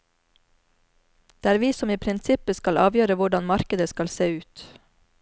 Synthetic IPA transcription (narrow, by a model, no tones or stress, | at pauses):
d̪̥eːæːɾʋiːsɔmiːpʰɾɪnsɪpəskɑlɑ̰ːʋjøːɾəʋʊɖɑnmɑɾkəd̪əskɑlseːʉːt̪